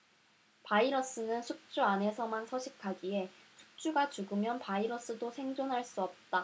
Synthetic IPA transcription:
paiɾʌs͈ɯnɯnsʰuk̚t͡ɕ͈uane̞sʰʌmansʰʌɕʰik̚k͈ʰaɡie̞sʰu̥k̚t͡ɕ͈uɡat͡ɕuɡɯmjʌnpaiɾʌs͈ɯdosʰe̞ŋd͡ʑonɦaɭs͈uʌp̚t͈a

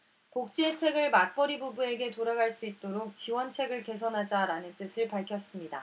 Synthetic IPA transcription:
kok̚t͡ɕ͈ietʰe̞ɡɯɭmak̚p͈ʌɾibubue̞ɡe̞toɾaɡaɭs͈uit̚t͈oɾok̚t͡ɕiwʌnt͡ɕʰe̞ɡɯɭke̞sʰʌnɦad͡ʑaɾanɯnt͈ɯsʰɯɭpaɭkʰjʌs͈ɯmɲida̰

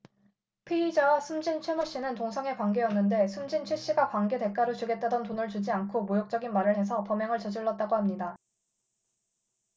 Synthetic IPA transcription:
pʰeid͡ʑawasʰumd͡ʑint͡ɕʰemuɭɕ͈inɯntoŋsʰʌŋe̞kwaŋɡe̞jʌnːɯnde̞sʰumd͡ʑint͡ɕʰweɕ͈iɡakwaŋɡe̞de̞k͈aɾot͡ɕuɡe̞t̚t͈adʌntonɯɭt͡ɕud͡ʑiankʰomojok̚t͡ɕ͈ʌɡinmaɾɯɭhe̞sʰʌpʌmjʌŋɯɭt͡ɕʌd͡ʑiɭːʌt̚t͈aɡoɦamɲida

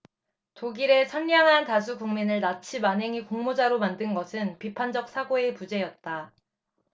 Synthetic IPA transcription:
toɡiɾe̞t͡ɕʰanɲaŋɦantas̬ʰukuŋminɯɭnat͡ɕʰimanɦe̞ŋikoŋmod͡ʑaɾomandɯnɡʌsʰɯnpipʰand͡ʑʌk̚s͈ʰaɡoe̞pud͡ʑe̞jʌt̚t͈a

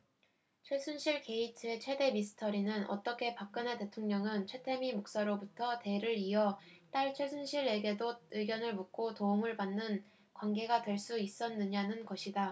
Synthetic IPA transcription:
t͡ɕʰwes͈ʰunɕʰiɭke̞itʰɯe̞t͡ɕʰwe̞de̞misʰɯ̥tʰʌɾinɯnʌ̰t͈ʌkʰe̞pak̚k͈ɯnete̞tʰoŋɲʌŋɯnt͡ɕʰwe̞tʰe̞mimok̚s͈aɾobutʰʌte̞ɾɯɾiʌt͈aɭt͡ɕʰweɭsʰunɕʰiɾe̞ɡe̞doɯɡjʌnɯɭmuk̚k͈otoumɯɭpanːɯn | kwanɡe̞ɡadwe̞ɭs͈uis͈ʌnːɯɲanɯnɡʌɕʰida

